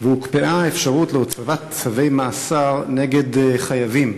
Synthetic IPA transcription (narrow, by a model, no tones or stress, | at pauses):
vehukpeʔaefʃaʁutleot͡savat̪̚t͡savejmaːsaʁneɡe̞dχajavim